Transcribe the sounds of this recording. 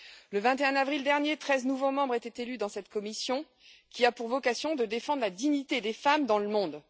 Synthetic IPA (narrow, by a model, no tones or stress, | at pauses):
ləvɛ̃t̪eɛ̃navʁild̪ɛʁnjet̪χɛznuvomɑ̃bʁet̪et̪elyd̪ɑ̃sɛt̪kɔmisjɔ̃ | kʲiapuʁvɔkasjɔ̃d̪əd̪efɑ̃d̪ʁlad̪iɲit̪ed̪efamd̪ɑ̃ləmɔ̃d̪